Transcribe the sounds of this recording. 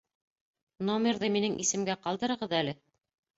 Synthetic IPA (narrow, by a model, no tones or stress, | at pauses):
nomʲerðɤminɘŋʔisɘ̆mɡæqɑlˠd̪ɤ̆ɾɤ̆ʁɤðælɘ